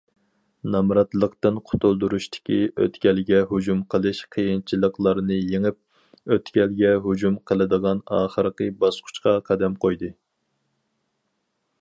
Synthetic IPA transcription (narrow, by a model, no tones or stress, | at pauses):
nɑmɾɑt̪lˠəqt̪ɨnqʰʊ̥t̪ʰulˠd̪uɾuʃt̪ʰɪ̥kʲiø̰t̪kʲɛlɡʲɛɦud͡ʒumqʰəlˠɨʃqʰəjint͡ʃʰilˠəqlˠɑɾnɨjeŋɨp̚ | øt̪kʲɛlɡʲɛɦud͡ʒumqʰəlˠɨd̪əʁɑnɑ̰ːχəɾqəbɑsqʰʊ̥t͡ʃqʰɑqʰɑd̪ɛmqʰojd̪ɨ